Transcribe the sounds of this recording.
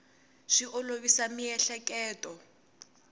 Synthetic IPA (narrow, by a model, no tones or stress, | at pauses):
ʂiʔɔloβisamiɛɬɛkɛːtʼɔ